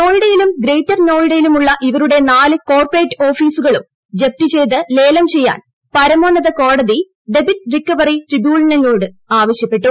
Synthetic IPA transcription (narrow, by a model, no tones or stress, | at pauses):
no̞ːɻɽɐjilumɡɾejtːɐrno̞ːɻɽɐjilumuɭːɐʔiʋɐɾuɽe̞naːlɨko̞ːrpɐreːʈːo̞ːfiːsuɣɐɭum | d͡ʑep̚tit͡ɕe̞jt̪ɨle̞ːlɐmt͡ɕe̞jːa̰ːn | pɐɾɐmoːɳɐðɐko̞ːɽɐði | ɖe̞bitːrikːɐʋɐriʈribjuːɭɐnɐjo̞ːɽɨ | aːʋɐɕjɐpːe̞ʈːu